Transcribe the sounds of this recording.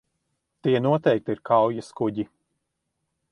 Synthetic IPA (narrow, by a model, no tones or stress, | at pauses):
t̪iɛnuɔt̪ɛjk̚t̪iiɾkʰawjaskuɟi